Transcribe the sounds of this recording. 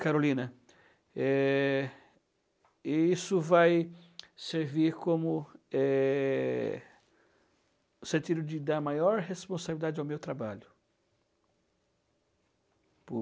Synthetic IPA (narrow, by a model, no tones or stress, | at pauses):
kaɾolĩnɐ | ɛ | ɪisʊvajseɾviɾkõmʊɛ | ʊsẽnt̪id̪ʊd͡ʒɪd̪aɾmajɔɾɦespõsabilid̪ad͡ʒɪawmewt̪ɾabaʎʊ | pʊ